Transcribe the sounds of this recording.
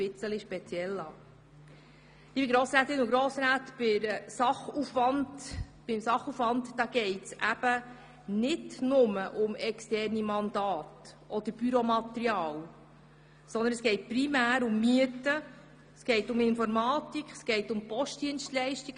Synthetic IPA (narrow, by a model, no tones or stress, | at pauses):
pɪt͡sːəliʃpɛt͡sjɛlːɑː | d̥̪ibiɡɾoːsɾæːt̪ːɪnʊɡɾoːsɾæːt̪b̥ɪɾsɑχufʋɑndb̥ɪmsɑχufʋɑntdɑːɡ̥ɛɪtsʔæb̥ə | nɪdnʊməʔʊmɛkstɛrnimɑnd̪ɑːtʔɔd̥̪əɾb̥yɾɔmɑt̪ɾiɑːl | sɔnd̪ənəsɡ̥ɛɪt̚pɾimæːɾʊmːyətə | sɡ̥ɛɪtʊmɪnfɔɾmɑːtikχɛsɡ̥ɛɪtʊmpɔʃtd̥iənstlɛɪʃtiɡ̥